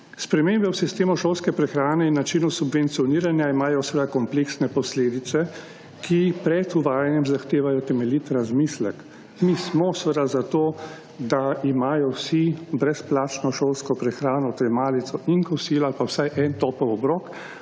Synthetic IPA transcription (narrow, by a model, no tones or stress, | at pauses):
spɾɛmeːmbɛwsist̪eːmɔʃowlskɛpɾɛxɾaːnɛinːat͡ʃinusubʋɛnt̪sijɔniːɾanjaimaːjɔsʋəd̪akɔmpleːksnɛpɔsleːd̪it̪sɛ | kʰipɾɛt̪uʋaːjanjɛmzaxt̪eːʋajɔt̪ɛmɛlit̪ɾazmiːslɛk | mismɔsʋəd̪azat̪oː | d̪aimaːjɔwsibɾɛsplaːt͡ʃnɔʃolskɔpɾɛxɾaːnɔt̪ɛmaːlit̪sɔiŋkɔsiːlɔalpawsajʔɛnt̪ɔpɔwɔbɾɔːk